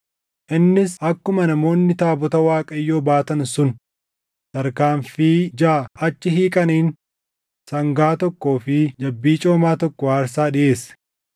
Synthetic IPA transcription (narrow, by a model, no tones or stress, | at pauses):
ʔɪnːɪsʔɐkːʊmɐnɐmo̞ːnːɪt̪aːbɔt̪ɐwaːkʼɐjːo̞ːbaːt̪ɐnsʊn | t̪ɐɾkaːnfiːd͡ʒaːɐt͡ʃːɪɦiːkʼɐniːn | sɐŋɡaːt̪ɔkːo̞ːfɪd͡ʒɐbːiːt͡ʃʼo̞ːmaːt̪ɔkːɔwaːɾsaːᶑɪʔe̞ːs